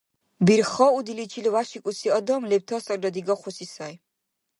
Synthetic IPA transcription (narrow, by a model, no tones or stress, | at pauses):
biɾχɔud̪ilit͡ʃʰilwaʃikʼusʰiɔd̪ɔmlɛb̚t̪ʰɔst̪ʼɔɾd̪ɔd̪iɡɔχusisaj